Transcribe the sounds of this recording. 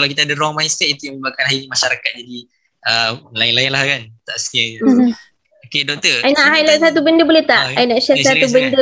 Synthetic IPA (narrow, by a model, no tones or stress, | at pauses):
kalawkit̪aːdəɾɔŋmaist̪ɛʔit̪ujaməbakanɦainimaʃaɾakat̪̚d͡ʒadi | əlaɪnlaɪnlahkant̪aʔsə̥kia | okedɔk̚t̪əainaʔɦajlasat̪̬ubəndəbolet̪aʔajnaʔʃasat̪ubəndə